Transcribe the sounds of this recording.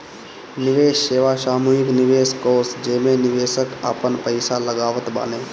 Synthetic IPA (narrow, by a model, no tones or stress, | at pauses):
nɪʋeːʃːeːʋaʃaːmuːɪknɪʋeːskoːsd͡ʒeːmẽnɪʋeːsəka̰ːpənpəɪsaləɡaːʋət̪ba̰ːneː